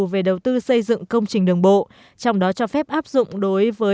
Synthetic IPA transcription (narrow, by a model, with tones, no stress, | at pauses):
ve˨˩ɗə˨˩wt̪ɨ˧sə˧jzɨ̰˧˨ŋkə˧wŋ͡mt͡ɕï˨˩ŋ̟ɗɨ˨˩əŋɓo̰˧˨ | t͡ɕɔ˧wŋ͡mɗɔ˨˦t͡ɕɔ˧fɛ˦˥p̚ʔaː˦˥p̚zʊ̰˧˨ŋ͡mɗo˨˦jvəː˨˦